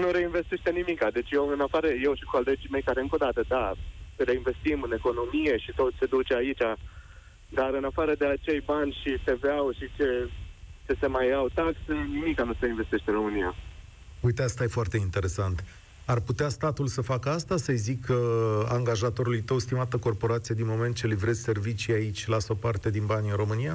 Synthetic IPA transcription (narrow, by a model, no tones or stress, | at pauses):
nuɾe̞inve̞st̪eʃt̪enimikad̪e̞t͡ʃʲjewɨnafaɾəje̞wʃikole̞d͡ʒime̞jkaɾeɨŋko̞d̪at̪əd̪aɾe̞inve̞st̪imɨne̞ko̞no̞mije̞ʃit̪o̞t̪ʲse̞d̪ut͡ʃeait͡ʃʲa | d̪aɾɨnafaɾəd̪e̞at͡ʃe̞jbanʲʃit̪e̞veawʃit͡ʃe̞t͡ʃe̞se̞majawt̪aksenimikanost̪əinve̞st̪eʃt̪eɨnɾo̞mɨnija | ujt̪east̪aje̞foart̪e̞int̪e̞ɾe̞sant̪ | arput̪east̪at̪ulsəfakəast̪asəjzikəaŋɡaʒat̪o̞ɾulujt̪əwst̪imat̪əko̞rpo̞ɾat̪sijed̪inmo̞me̞nt̪̚t͡ʃelivɾe̞zʲse̞rvit͡ʃijait͡ʃʲlasopart̪e̞d̪inbanʲɨnro̞mɨnija